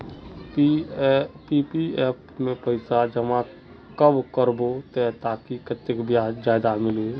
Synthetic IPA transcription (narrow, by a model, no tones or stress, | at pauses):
piːpiɛːpmẽpəɪsad͡ʒəmã | kəbkəɾbot̪ɛt̪aːkikət̪ːekbjad͡ʒaːjd̪amɪle